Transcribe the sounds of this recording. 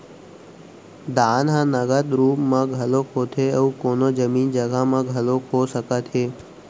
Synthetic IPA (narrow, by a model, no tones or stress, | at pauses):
d̪aːnɦãnəɡəd̪ɾuːpmãɡʱəlokʰot̪ʰeəukoːnod͡ʒəmiːnd͡ʒəɡamãɡʱəlokʰosəkət̪ʰeː